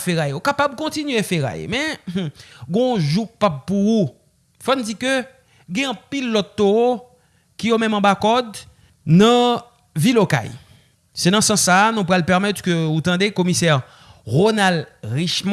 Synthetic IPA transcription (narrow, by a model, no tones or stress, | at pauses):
fɛʁajeokapab̚kɔ̃tinɥefeʁa̰jḛmɛ̃ | ɡɔ̃ʒukpab̚puu | fɔnud͡zikø | ɡɛ̃ɐ̃pilːɔt̪ːo | kijomɛ̃mɑ̃bakɔd̪ | nɐ̃ | viloka̰j | sed̪ɑ̃sɑ̃sːanũpʁalpɛʁmɛt̪køut̪ɑ̃d̪ekomisɛʁ | ʁonalʁiʃm